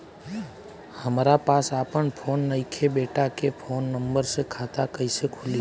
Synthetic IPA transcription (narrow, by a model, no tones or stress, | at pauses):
həmɾapaːsaːpəɳpʰoːnːəɪkʰebeːʈakepʰoːnːə̃mbəɾsekʰaːt̪akəisekʰʊli